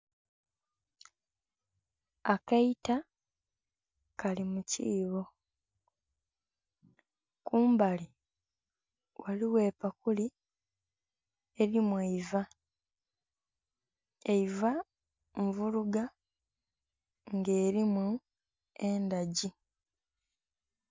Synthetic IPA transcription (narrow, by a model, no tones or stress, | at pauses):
akaita | kalimuciːβo | kuːmbali | waliwe̞ːpakuli | eɾimweiva | eiva | ɱvuluɡa | ŋɡeːɾimu | endaɟi